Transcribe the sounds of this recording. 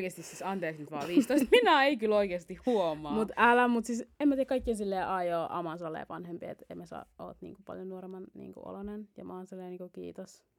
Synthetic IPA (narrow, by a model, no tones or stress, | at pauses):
keːst̪issisɑnt̪eːksnyt̪ʋɑ̰ːʋiːst̪oˑist̪minæeikyloikeːst̪ihhuomɑmut̪ælæmut̪sisemːæt̪ieækɑikːiɑnsilːeːʔɑjoːʔɑ̰mɑnsɑlːḛːʋɑnhempiɑḛt̪ḛimæsɑ̰ːo̰ːt̪nḭːŋkupɑ̰ljonuoɾemːɑnnḭːŋkṵo̰lonenjɑ̰mɑːnsɑlːeːniːŋkukḭːt̪os